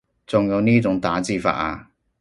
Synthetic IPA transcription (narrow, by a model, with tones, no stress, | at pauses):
t͡sʊ˨ŋjɐ˨˧wniː˥t͡sʊ˨˥ŋt̪aː˨˥t͡siː˧fa̰ː˧ʔ̚a̰ː˧